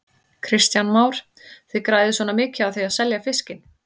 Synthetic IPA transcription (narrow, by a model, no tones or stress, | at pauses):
kʰɾɪst̪janmaːwɾ̥ | θiðkɾaːjðɪsɔːnamɪːcɪaðθiaðsɛljafɪscɪn